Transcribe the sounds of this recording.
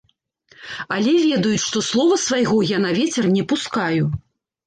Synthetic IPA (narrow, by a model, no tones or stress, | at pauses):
alʲɛvʲɛd̪ɐjut͡sʲʂt̪ɔslˠɔvɐsvajɣɔjanavʲɛt͡sʲɛrnʲɛpuskaju